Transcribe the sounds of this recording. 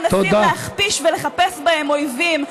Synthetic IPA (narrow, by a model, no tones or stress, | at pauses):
nat̪oid̪ameaχpiʃveleχapesbae̞mo̞jvim